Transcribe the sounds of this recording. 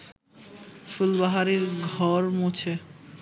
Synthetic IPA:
fulbaɦaɾiɾɡʱɔɾmot͡ɕʰe

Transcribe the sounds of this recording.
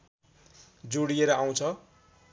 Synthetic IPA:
d͡zoɽijeɾʌaw̃t͡sʰʌ

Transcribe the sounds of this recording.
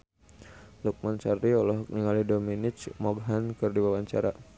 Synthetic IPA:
luk̚mant͡ʃariɔlɔɦɔk̚niŋalidominit͡ʃmɔɡɦankɨrdiwawaɲt͡ʃaɾa

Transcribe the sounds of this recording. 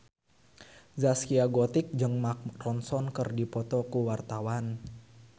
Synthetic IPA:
zaskiaɡɔt̪ɪk̚d͡ʒɨŋmak̚rɔnsɔnkərdipɔt̪ɔkuwart̪awan

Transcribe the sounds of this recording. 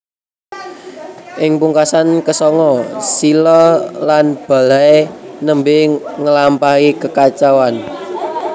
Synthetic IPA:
ʔɪŋpuŋkasankəsɔŋɔsilɔlanb̥a̤laenəmbɪŋəlampahikəkat͡ʃawan

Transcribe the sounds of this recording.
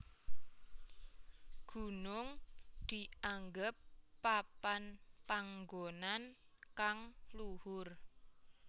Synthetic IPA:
ɡ̥ṳnʊŋd̪̥i̤aŋɡəpːapanpaŋɡonankaŋluhʊr

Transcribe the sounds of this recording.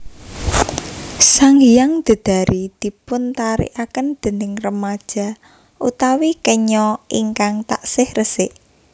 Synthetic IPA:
saŋjaŋd̪̥ə̤d̪̥a̤ɾid̪̥i̤pʊnt̪aɾḭʔakənd̪̥ə̤nɪŋrəmad̥ʒ̥a̤ | ʔṵt̪awikəɲɔʔiŋkaŋt̪aʔsɪhrəsɪʔ

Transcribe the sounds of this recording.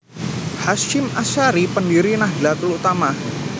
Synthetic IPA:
hasɪmasaɾipəndiɾinahdilat̪əlut̪ama

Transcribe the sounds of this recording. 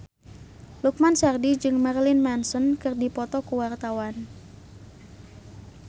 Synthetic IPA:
luk̚mansɛrdid͡ʒɨŋmarlinmɛnsɔnkɨrdipɔt̪ɔkuwart̪awan

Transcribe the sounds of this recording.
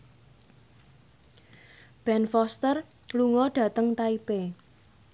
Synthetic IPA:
b̥ɛnfɔst̪ər | luŋɔɖ̥ä̤t̪əŋt̪aipe

